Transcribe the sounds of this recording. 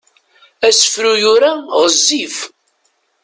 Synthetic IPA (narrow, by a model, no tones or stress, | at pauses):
æsə̥fɾujʊɾaʁəzːif